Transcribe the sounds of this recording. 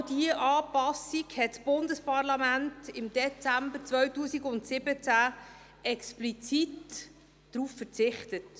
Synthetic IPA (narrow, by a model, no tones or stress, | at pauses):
d̥iəʔɑːpɑsikhɛtsb̥ʊndəspɑʁlɑmæntɪmd̥̪ɛt͡sæmbəɾt͡svœɥtuːsiɡʊntsɪbət͡sæ | ʔɛksplit͡sitː | ɾuːfːəɾt͡sɪχtət